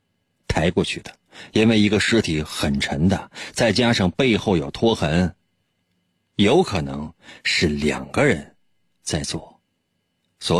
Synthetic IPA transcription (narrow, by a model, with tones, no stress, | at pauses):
t̪ʰa˧˥ɪkwɔ˥˧t͡ɕʰy˥˩d̪ə̥˩i˥nwe˥˩ɪi˧˥ɡə˧ʂɻ̩˥t̪ʰi˧˥xə˨˩nʈ͡ʂʰə˧˥ŋd̪ə˧t͡sa˥˩ɪt͡ɕja˥ʂɑ˥˧ŋpe˥˧ɪxo˥˩ʊjo˨˩ʊt̪ʰwɔ˥xə˧˥n | jo˧˥ʊkʰɤ˨˩nɤ̰˧˥ŋʂɻ̩˥˩ljɑ̰˨˩ŋɡ̥ə˦ɻə˧˥n | t͡sa˥˧ɪt͡swɔ˥˩ | swɔ˧˥